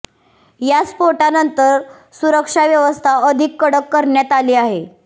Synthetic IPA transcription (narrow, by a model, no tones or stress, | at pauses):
jaspoʈanənt̪əɾ | suɾəkʂaʋjəʋəst̪ʰaəd̪ʱikːəɽəkːəɾɳjat̪aliːaɦe